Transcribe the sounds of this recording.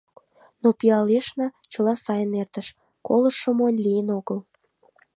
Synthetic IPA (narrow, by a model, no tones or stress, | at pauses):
nopiɑleʃnɑt͡ɕəlɑsɑjənert̪əʃ | koləʃə̆monʲlijənoɣəl